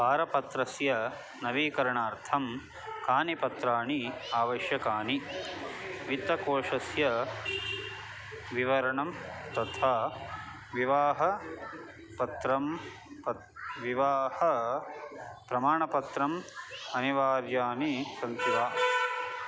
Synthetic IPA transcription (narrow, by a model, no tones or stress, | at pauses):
paːɾɐpɐt̪ɾɐsjɐ | nɐʋiːkɐɾɐɳaːɾt̪ʰɐm | kaːnipɐt̪ɾaːɳiaːʋɐʃjɐkaːɳi | ʋit̪ɐkoːʂɐsjɐ | ʋiʋɐɾɐɳɐmt̪ɐt̪ʰaː | ʋiʋaːɦɐ | pɐt̪ɾɐm | pɐ | ʋiʋaːhɐ | pɾɐmaːɳɐpɐt̪ɾɐmɐniʋaːɾjaːnisɐnt̪ʰiʋaː